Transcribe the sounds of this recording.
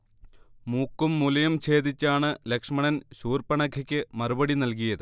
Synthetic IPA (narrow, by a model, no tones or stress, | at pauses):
muːkːumːulɐjɐmt͡ɕe̞ːd̪it͡ɕːaːɳɨlekʂɐmɐɳɐnɕuːrpɐɳɐkʰɐkʲːɨmɐrubɐɽinɐlk̬ijɐðɨ